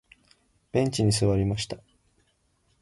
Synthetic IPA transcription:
b̥ẽ̞ɲt͡ɕiɲ̟is̬ɨβaɾʲimaɕi̥t̪ḁ

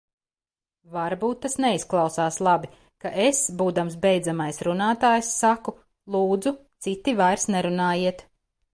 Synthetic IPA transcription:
vaɾbuːt̪ːasnɛisklˠɑwsaːslˠabi | kaʔesbuːd̪ams̬bɛjd̪zamajsɾunaːt̪aːjsːaku | lˠuːd̪zut̪sit̪ːivajɾsnɛɾunaːjiɛt̪

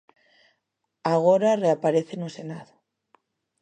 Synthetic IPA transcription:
aɣoɾareapaɾeθenosenaðo

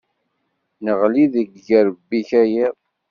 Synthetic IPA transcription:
nəʁliðəɡʝəɾəbːiçæjiʁ

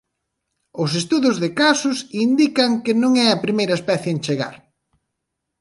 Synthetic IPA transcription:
ʊs̬est̪uðʊzðɪkasʊsind̪ikɐŋkɪnõŋɛɐpɾimejɾɐespɛθjɪent͡ʃeɣa̰ɾ

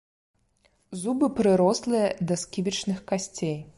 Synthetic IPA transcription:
zubɨpɾɨɾɔslˠɨjɐd̪ɐskʲivʲit͡ʂnɨxkasʲt͡sʲej

